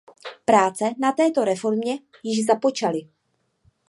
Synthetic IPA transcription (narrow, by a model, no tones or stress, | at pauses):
pɾaːt͡sɛnat̪ɛːt̪o̞ɾɛfo̞ɾmɲɛ | jɪʒzapo̞t͡ʃalɪ